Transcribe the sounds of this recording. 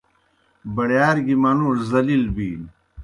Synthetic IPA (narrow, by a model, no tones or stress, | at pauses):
bɐɽjaːɾɡimɐnuːɾzɐlilbiːn